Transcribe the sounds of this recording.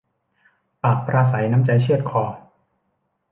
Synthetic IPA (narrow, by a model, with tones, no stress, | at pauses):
paː˨˩k̚pɾʔaː˧sa˩˦jna˦˥mt͡ɕa˨˦jt͡ɕʰɯ˥˩ət̪̚kʰɔː˧